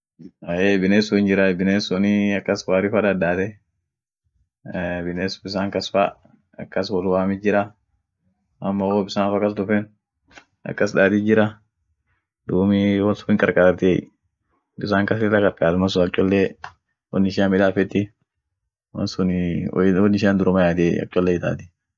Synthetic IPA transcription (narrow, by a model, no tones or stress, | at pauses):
ɐeːbɪneːsʊɪnd͡ʒɪɾɐbɪneːsɔnɪɐkːɐswaːɾɪfɐᶑɐd̪aːt̪ɛ | bɪneːsbɪs̬aːŋkɐsfa | ɐ̰kːɐswɔlwaːmɪd͡ʒɪɾɐ | ɐmːɐwoːbɪsaːnfɐkɐs̬d̪ʊfɛn | ɐ̰kːɐsᶑaːt̪ɪd͡ʒɪɾɐ | d̪uːmɪwɔlsʊfɪŋkʼɐɾkʼaːɾt̪e | bɪs̬aːŋkɐs̬ɪlːɐkʼɐɾkʼaːt̪mɐs̬ʊɐkt͡ʃʼːɔlːe | wɔnːɪʃamɪᶑ̪aːfɛt̪ːɪ | wɐ̰nsʊnwɔnɪʃaːnd̪ʊɾʊmɐjaːd̪eɐ̰kt͡ʃʼːɔlːɛɪt̪a̰ːt̪ɪ̥